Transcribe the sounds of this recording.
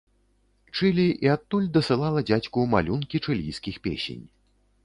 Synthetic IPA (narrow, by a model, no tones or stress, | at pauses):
t͡ʂɨlʲiʔiat̪ːulʲd̪ɐsɨlˠalˠɐd͡zʲat͡sʲkuma̰lʲunkʲit͡ʂɨlʲijskʲixpʲḛsʲḛnʲ